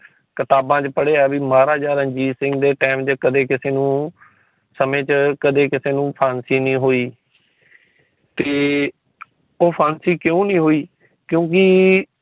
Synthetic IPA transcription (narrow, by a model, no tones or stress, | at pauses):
kət̪aːbãːt͡ʃpəɽeːaːbiːmaːɾaːd͡ʒaːɾəɲd͡ʒiːsɪ̃ŋɡd̪eːʈɛːmt͡ʃəkəd̪eːkɪseːnũː | səmẽːt͡ʃkəd̪eːkɪseːnũːpʰaːnsiːnĩːɦoːiː | t̪eː | oːpʰaːnsiːkjõːnĩːɦoːiː | kjõːk̬ɪ